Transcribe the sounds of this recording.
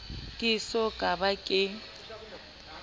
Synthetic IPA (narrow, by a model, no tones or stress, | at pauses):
kʼɪsɔkʼabakʼɪ